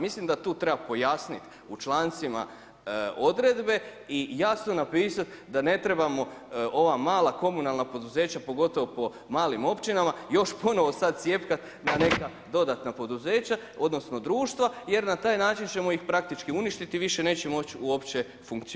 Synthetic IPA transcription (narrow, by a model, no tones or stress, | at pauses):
mislimd̪at̪uːt̪ɾe̞bapo̞jasnit̪ | ut͡ʃlˠaːnt̪sima̰ | od̪ɾe̞d̪be̞ijasno̞napiːsat̪d̪ane̞t̪ɾe̞bamo̞o̞ʋamaːlˠako̞munalˠnapo̞d̪uze̞ːt͡ɕapo̞ɡo̞t̪o̞ʋopo̞ | maːlimo̞pt͡ɕinamajo̞ʃpo̞noʋo̞sad̪̚sje̞pkat̪ | nane̞ka | d̪o̞d̪at̪napo̞d̪uze̞ːt͡ɕa | o̞d̪no̞sno̞d̪ɾuːʃt̪ʋaje̞ɾnat̪aːjnaːt͡ʃint͡ɕe̞mo̞jixpɾak̚t̪it͡ʃkiuniʃt̪it̪iʋiʃe̞ne̞ːt͡ɕemo̞t͡ɕuo̞pt͡ɕe | fuŋkt̪si